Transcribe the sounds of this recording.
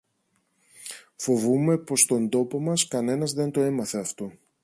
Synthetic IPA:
fo̞vume̞po̞st̪o̞nd̪o̞po̞mɐskɐne̞nɐzðe̞nt̪o̞e̞mɐθe̞ɐft̪o̞

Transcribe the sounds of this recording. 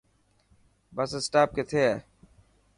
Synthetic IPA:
bəsesʈaːp̚ket̪ʰeɛː

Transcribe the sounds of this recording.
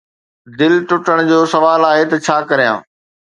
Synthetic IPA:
d̪ɪlʈʊʈəɽ̃d͡ʑoːsɐʋaːlaːɦet̪ɐt͡ɕʰaːkɐɾijã̰ː

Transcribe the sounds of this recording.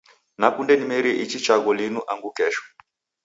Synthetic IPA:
nakundɛnimɛɾiɛʔit͡ʃit͡ʃaɣɔlinuʔaŋɡukɛʃɔ̥

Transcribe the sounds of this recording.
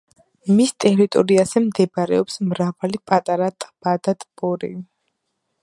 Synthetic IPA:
mist̪ʼɛɾit̪ʼɔɾiazɛmd̪ɛbɾɛ̰ɔpsmɾavalipʼat̪ʼaɾat̪ʼb̥ad̪at̪ʼbɔɾḭ

